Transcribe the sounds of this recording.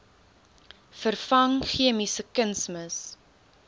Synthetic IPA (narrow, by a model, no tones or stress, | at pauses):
fərfɐŋχiəmisəkənsməs